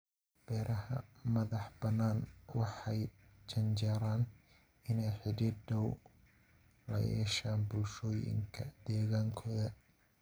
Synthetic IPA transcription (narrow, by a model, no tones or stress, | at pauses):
b̥ɛːɾɐɦɐ̰mɐðɑħbɐnːaːnwɑħɑjt͡ʃɐnt͡ʃaːɾaːn | ɪnɛjħɪɽɪd̪ɐw | lɐ̰jɛ̰ːʃaːnbʊlʃɔːjɪ̰ŋkʰɐd̪ɛːɣaːŋkʰɔːðɐ